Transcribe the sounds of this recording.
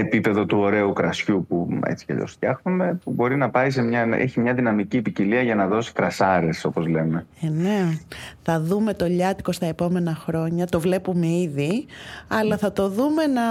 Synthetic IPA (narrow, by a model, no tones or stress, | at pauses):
epipe̞ðo̞t̪uo̞ɾe̞ukɾɐsçupuḛt͡si̥cḛt̪o̞̰st̪çɐxnume̞pubo̞ɾinɐpɐis̬e̞mɲɐḛçimɲɐðinɐmiciːpiciliɐʝɐnɐðo̞si̥kɾɐsɐɾe̞so̞po̞zle̞me̞ene̞θɐðume̞t̪o̞ʎɐt̪i̥ko̞st̪ɐepo̞me̞nɐxɾo̞ɲɐt̪o̞vle̞pume̞iðiɐlɐθɐt̪o̞ðume̞nɐ